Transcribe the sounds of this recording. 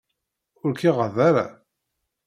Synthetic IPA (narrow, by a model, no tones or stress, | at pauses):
ʊɾkiʁəðaɾa̰